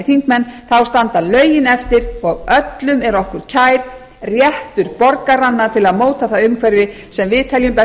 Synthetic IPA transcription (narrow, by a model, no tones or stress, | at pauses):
ɪfiŋkmɛnːθawst̪ant̪alœːɥjɪnɛft̪ɪɾɔɣœt̪lʏmɛɾɔhkʏɾ̥cʰaːjɾ̥ | rjɛht̪ʏɾpɔɾkaɾanːat̪ʰɪlaðmoːwt̪aθawʏmkʰvɛɾvɪ | sɛmvɪːt̪ʰaljʏmpɛ